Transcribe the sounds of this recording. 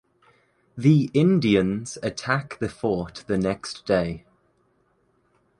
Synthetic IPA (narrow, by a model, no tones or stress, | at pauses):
ðiʔɪ̃ndiə̃nz̥ətʰakðəfɔˑʔðənɛksd̥eɪ